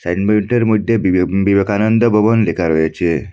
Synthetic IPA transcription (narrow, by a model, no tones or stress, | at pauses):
sanmeɳʈəɾmud̪jebibəkanənd̪əbəʋənlekaɾojet͡ʃʰe